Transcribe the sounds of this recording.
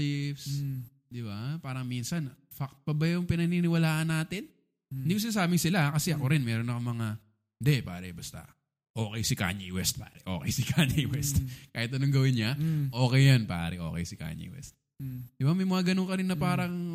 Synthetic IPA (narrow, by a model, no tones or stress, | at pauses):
ɪfs | d̪ɪbapaːɾɐŋminsɐn | fak̚t̪̚pɐbɐjʊŋpɪnɐninɪwɐlaːʔɐnːaːt̪ɪn | nd̪iːkoɪnaːsaːbɪŋsɪlaʔkɐsɛʔɐkoɾɪnmɛːɾo̞nɐkomɐŋa | nd̪ɛpa̰ːɾɐ̰bɐst̪a̰ | ʔo̞ːkɛjsɪka̰ːɲiwɛst̪̚pa̰ːɾɛʔo̞̰ːkɛjsɪkʰaɲiwɛst̪kaːhɪt̪̚ɐnoŋɡɐwɪnɲaʔo̞ːkɛjanpa̰ːɾɛʔo̞̰ːkɛ̰jsɪka̰ːɲḭwɛ̰st̪̚ | d̪̥ɪbamɐjmɐŋaɡɐnoŋkɐɾɪnːɐpaːɾɐŋ